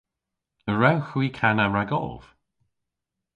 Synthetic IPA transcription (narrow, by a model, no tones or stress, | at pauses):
əɹawxwiːkʰanaɹaɡɔ̰lˠv̥